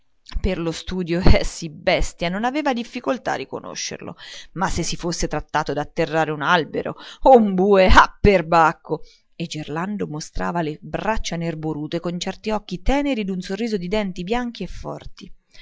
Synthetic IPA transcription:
perlost̪uːd̪joɛsːibɛst̪janonaveːvad̪ifːikolt̪a̰ːɾːiko̰no̰ʃːḛrlo̰masːesːifosːet̪ɾat̪ːaːt̪od̪at̪ːerːaːɾeunalbḛɾo̰umbuːeapːerbakːo | ed͡ʒːerland̪omost̪ɾa̰ːvalebɾat͡ʃːanerboɾuːt̪ekont͡ʃɛrt̪iɔkːit̪ɛːneɾid̪unsorːiːzod̪id̪ɛnt̪ibjaŋk̟iefːɔ̰rt̪i

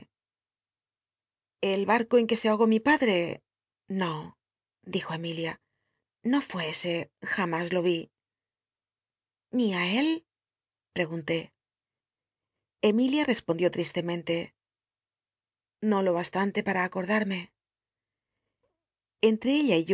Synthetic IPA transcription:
elβaɾko̞e̞ŋke̞seaoɣ̞o̞mipaðɾe̞ | no̞ | d̪ixo̞e̞milja | no̞fweese̞xamazlo̞βi | niae̞l | pɾe̞ɣ̞unt̪e̞ | e̞miljare̞spo̞nd̪jo̞t̪ɾist̪e̞mẽ̞nt̪e̞ | no̞lo̞β̞ast̪ant̪e̞paɾaːko̞ɾðaɾme̞ | ent̪ɾe̞eʎaiʝ

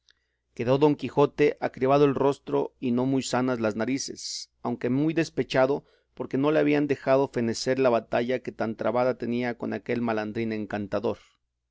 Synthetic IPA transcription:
ke̞ðo̞ðo̞ŋkixo̞t̪e̞ʔakɾiβaðoelro̞st̪ɾo̞̰ino̞mujsanazlaznaɾise̞̰s | awŋke̞mujðe̞spe̞t͡ʃaðo̞ | po̞ɾke̞no̞le̞aβ̞iand̪e̞xað̞o̞fe̞ne̞se̞ɾlaβat̪aʝake̞t̪ant̪ɾa̰βaðat̪e̞niako̞nake̞lmaland̪ɾine̞ŋkant̪aðo̞ɾ

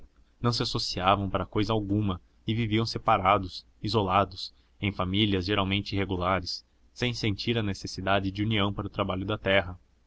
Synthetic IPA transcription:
nɐ̃w̃sɪasosiavɐ̃w̃paɾɐkojzɐawɡũmɐ | ɪviviɐ̃w̃sepaɾad̪ʊs | izolad̪ʊs | ẽj̃familiɐzʒeɾawmẽnt͡ʃɪiɦeɡulaɾɪsː | ẽj̃sẽnt͡ʃiɾɐnesesid̪ad͡ʒɪd͡ʒɪuniɐ̃w̃paɾɐʊt̪ɾabaʎʊd̪ɐt̪ɛɦɐ

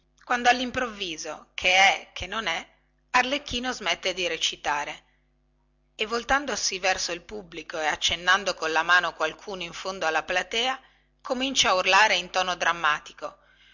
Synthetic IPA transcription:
kwand̪oalːimpɾovːiːzokʰeɛkʰenːonɛ | arlekːiːnozmɛt̪ːed̪iɾet͡ʃit̪aːɾe | evːolt̪and̪osivɛrsoilpubːlikoeat͡ʃːenːand̪okonlamaːnokwalkʰuːnoiɱfond̪oalːaplat̪ɛːa | komint͡ʃaːurlaːɾeint̪ɔːnod̪ɾamːaːt̪i̥ko

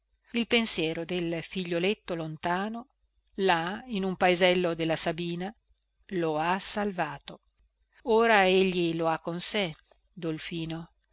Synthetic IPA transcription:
ilpensjɛːɾod̪elfiʎːolet̪ːolont̪aːno | lainumpaezɛlːod̪elːasabiːna | loasalvaːt̪o | oːɾaeʎːiloakːonse | d̪olfiːno

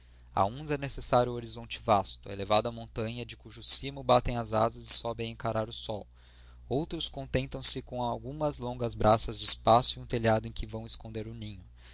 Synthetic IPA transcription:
a̰ũzɛnesesaɾjʊoɾizõnt͡ʃɪvast̪ʊɛ̰levad̪ʊɐmõnt̪ɐ̃ɲɐd͡ʒɪkuʒʊsimʊbat̪ẽj̃ɐzazɐzɪsɔbẽj̃ẽkaɾaɾʊsɔw | owt̪ɾʊskõnt̪ẽnt̪ɐ̃w̃sɪkõawɡũmɐzlõŋɡɐzbɾʔasɐzd͡ʒɪispasʊiũt̪eʎad̪ʊẽkɪvɐ̃w̃ɪskõnd̪eɾʊnĩɲʊ

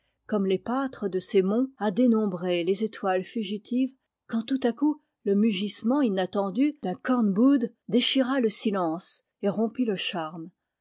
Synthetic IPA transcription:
kɔmlepat̪χəd̪əsemɔ̃ad̪enɔ̃bʁelezet̪ʰwalfyʒit̪iv | kɑ̃t̪ut̪aku | ləmyʒismɑ̃inat̪ɑ̃d̪yd̪ɛ̃kɔʁnbud̪ | d̪eʃiʁaləsilɑ̃s | eʁɔ̃piləʃaʁm

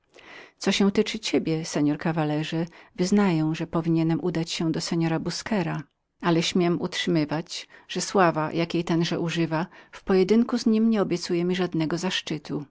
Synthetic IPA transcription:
t̪sɔɕɛw̃t̪ɘt͡ʂɘt͡ɕebʲjɛsɛɲɔɾkavalɛʐɛvɘznajɔ̃w̃ʐɛpɔvʲiɲɛnɛmʔud̪at͡ɕɕɛ̃d̪ɔsɛɲɔɾabuskɛɾa | alɛɕmʲjɛmʔṵtʂɘmɘvat͡ɕʐ̥ɛswavajʔakʲejt̪ɛnʐɛʔuʐɘvafpɔjɛd̪ɘŋkuzɲimɲɛɔbʲjɛt̪sujɛmʲiʐad̪nɛɡɔzaʂt͡ʂɘt̪ʰu

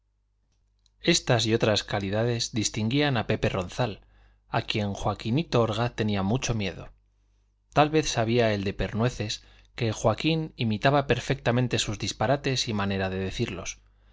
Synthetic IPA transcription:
e̞st̪asio̞t̪ɾaskaliðaðe̞zðist̪iŋɡianape̞pe̞ro̞n̟θal | akje̞ŋxwakinit̪o̞oɾɣ̞aθt̪e̞niamut͡ʃo̞mje̞ðo̞̰ | t̪alβe̞θsaβ̞iae̞ld̪e̞pe̞ɾnwe̞θe̞s | ke̞xwakinimit̪aβape̞ɾfe̞k̚t̪amẽnt̪e̞suzðispaɾat̪e̞simane̞ɾaðe̞ðe̞θiɾlo̞̰s

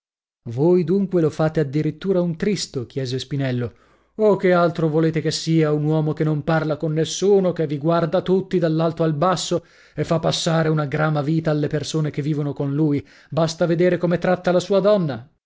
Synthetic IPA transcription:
vojd̪uŋkwelofaːt̪ead̪ːiɾit̪ːuːɾaunt̪ɾist̪ok̟jɛːzespinɛlːo | okːealt̪ɾovoleːt̪ekesːiːaunwɔːmokenːomparlakonːesːuːnokevːiɡward̪at̪ut̪ːid̪alːalt̪oalbasːo | efːapːasːaːɾeunaɡɾaːmaviːt̪aːlːepersoːnek̟evːiːvonokonluːj | bast̪aved̪eːɾekomet̪ɾat̪ːalasuːad̪ɔnːa

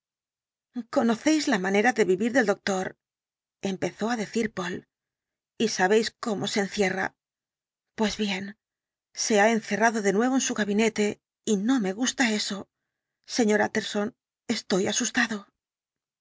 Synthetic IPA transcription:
ko̞no̞θe̞jzlamãne̞ɾaðe̞βiβiɾðe̞ld̪o̞k̚t̪o̞ɾ | e̞mpe̞θo̞aðe̞θiɾpo̞l | isaβe̞jsko̞mo̞se̞ːn̟θje̞ra̰ | pwe̞zβje̞n | se̞ae̞n̟θe̞raðo̞ðe̞nwe̞β̞o̞ensuɣaβine̞t̪e̞ | ino̞me̞ɣust̪ae̞so̞ | se̞ɲo̞ɾat̪e̞ɾso̞n | e̞st̪o̞jasust̪aðo̞

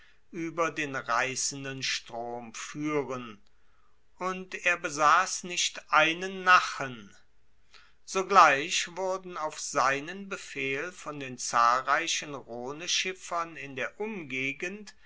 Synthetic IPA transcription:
ʔyːbɐdeːnʁaɪsn̩dənʃtʁ̥oːmfyːʁən | ʔʊnteːɐbəzaːsnɪʃtʔaɪnənːaχən | z̥oɡlaɪçv̥ʊɐdn̩aʊfz̥aɪnənbəfeːlfɔndeːnt͡saːlʁaɪɕənʁoːnəʃɪfɐnɪndeːɐʔʊmɡeːɡənt

